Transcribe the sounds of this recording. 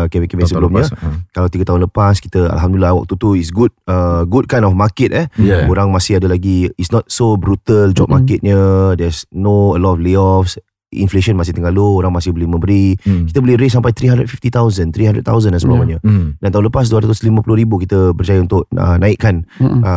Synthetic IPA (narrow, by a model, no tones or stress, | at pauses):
kɛmikəmɛsəbəlumɲə̃kalawt̪iɡət̪aɦʊnləpaski̥t̪əa̰lɦamdulilawa̰k̚t̪ut̪uisɡud̚əɡud̚kajnɔfmakɪt̪̚ɛhoɾaŋmasɪɦadəlaɡiitsnɔt̪̚sobɾut̪əld͡ʒɔ̰p̚makɪt̪̚ɲədɛsnoəlɔtɔfleɔfs | ḭnfleʃənmas̬ɪht̪əŋɡalooɾaŋmasɪhbəlimə̃mbəɾikit̪əbəlɪɾesːampajt̪ɾiɦandɾət̚fift̪it̪awzənt̪ɾiɦandɾə̰t̚t̪awzənansəbamaɲədant̪aɦʊnləpas̬duaɾat̪uslimãpulʊɾibukit̪əbərt͡ʃajaunt̪ʊʔ̚ə̰naɪʔkːanə